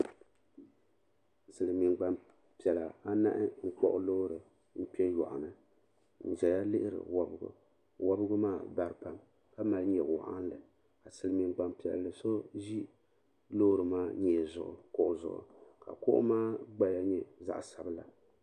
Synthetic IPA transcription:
sɨ˨lɨ˨mi˨ɡ͡ba˨m | pi˨ɛ˨la˨a˦na̰˦ʔɪ˦ŋ͡m̩˦k͡pɔ̰˦ʔʊ˦lo˦ɾɨ˨ | n̩˦pi˦ɛ˦jɔ̰˨ʔʊ˨nɨ˦ | n̩˨d͡ʒɛ˨ja˦lɨ˦hɪ˦ɾɨ̰˨wa˦bɡʊ̰˨ | wa˦bɨ˦ɡʊ˦maː˦˨ba˦ɾɨ˦pa˦m | ka˦ma˨lɲɛ˨wʊ̰˨ʔa̰˦n˦lɨ˨ | ka˨sɨ˨lɨ˨mi˨nɡ͡ba˨mpi˨ɛ̰˨llɨ˨so˦ʒi˦ | lo˦ɾɨ˨maː˦ɲɛː˨zʊ̰˨ʔʊ̰˨kʊ˦ʔʊ˨zʊ̰˨ʔʊ̰˨ka̰˨kʊ˦ʔʊ̰˦maː˦ɡ͡ba˦ja˦ɲɛ˦za̰˦˨ʔsa˨bɨ˦la˨

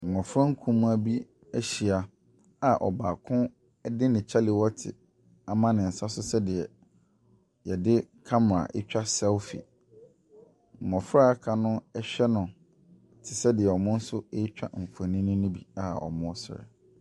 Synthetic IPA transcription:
m̩˨mɔ̃˨fʊ˦ɾɔ˦ŋ̩˦kʰũ˦mũ˦a˦bi˦ | æ˦ɕi˨a˨ | a˨ʔɔ̰˨baː˨kʰʊ̃˦ | dɪ˦nɪ̃˨t͡ɕʰa˦lɪ˨wɔ˦tʰɪ̰˨ | a˨mã˦nɪ̃˨n̩˨sa˦sʊ˦sɛ˦dɪ˨ɛ˨ | jɛ˨dɪ˦kʰa˦m˨ɾa̰˨ʔɪ̰˦t͡ɕᶣa˦sɛ˦lfḭ˨ | m̩˨mɔ̃˨fʊ˦ɾa˦a˦kʰa˨nʊ̃˦ɛ˦ɕᶣɛ˦nʊ̃˨ | tʰɪ˨sɛ˦dɪ˨ɛ˨ɔ˨mʊ̃˦n̩˦sʊ˦e˦t͡ɕᶣa̰˦m̩˨fʊ˨a˨nĩ˦nʊ̃˦nʊ̃˦bi˨a˨ɔ̰˨mʊ̃˦ɔ˦sɪ˦ɾɛ̰˨

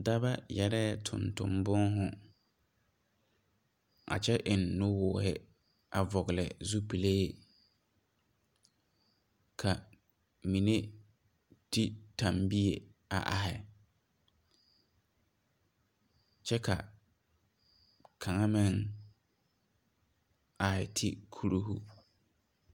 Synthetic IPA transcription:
da˦ba˦jɛ˦ɾɛ˦ɛ˦tʰʊ̰˨ntʊ̰˨mbʊ˦ŋɦʊ˨ | a̰˨t͡ʃɛ˦ʔɪ˨nːʊ˦wʊː˨˦hɪ˦ | a˨vɔ˨ɣɪ˨lɪ˨zu˦pi˨le˦e˦ | kʰa˨ | mi˨ne˦ | ti˦tã˨mbi˦e˨a̰˨ʔa˨hɪ˨ | t͡ʃɛ˦kʰa̰˨ | kʰa˨ŋa˦mɪ˦ŋ | a˨hɪ˨tʰi˦kʰu˦ɾu˦hṵ˦

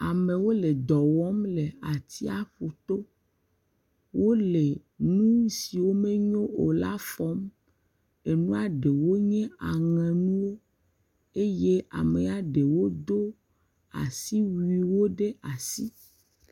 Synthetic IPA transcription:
a˨me˨wo˦le˨d̪ɔ˨wɔ˦mle˨a˨t̪i˦a˦ɸu˨t̪o˦ | wo˦le˨nũ˦si˨wo˦me˦ɲõ˦o˨la̰˦fɔ˦m | e˨nũ˦a˦ɖe˨wo˦ɲɛ̃˦a˨ŋɛ̃˨nũ˦wo˦ | e˦je˦ʔa̰˨me˨a˨ɖe˨wo˦d̪o˦ | a̰˨si˦wi˨wo˦ɖe˦a˨si˦

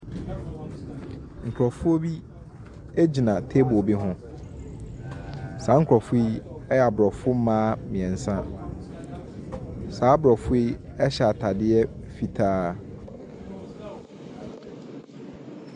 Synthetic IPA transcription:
ŋ̩˨kʰɾɔ˨fʊ˦o˦bi˦ | e˦d͡ʑi˨nã˨tʰe˦bo˨bi˦ɦʊ̃˦ | saː˨˦ŋ̩˦kʰɾɔ˨fʊ˦i˦ɛ˦ja˨bɾɔ˨fʊ˦mãː˦mĩ˨ɛ̃˨n̩˨sã˦ | saː˨˦bɾɔ˨fʊ˦i˦ɛ˦ɕɛ˨a˨tʰa˨dɪ˦ɛ˦fi˨tʰaː˦

